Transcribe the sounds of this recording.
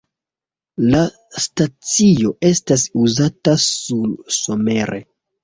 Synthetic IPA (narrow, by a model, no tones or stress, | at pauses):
la | stat͡sio̞ʔe̞stas̬uzatasulso̞me̞ɾʔe̞̰